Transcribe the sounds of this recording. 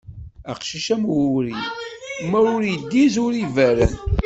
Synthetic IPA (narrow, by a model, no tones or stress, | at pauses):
æ̰qʃiʃæmuɾḭmæɾʊɾjd̪ːizʊɾivæɾə̰n